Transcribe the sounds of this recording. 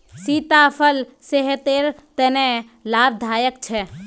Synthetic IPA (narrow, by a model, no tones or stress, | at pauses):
siːt̪apʰəl | seɦt̪eːɾt̪ɛnɛ | laːb̚d̪ʱaːjəkt͡ʃʰɛː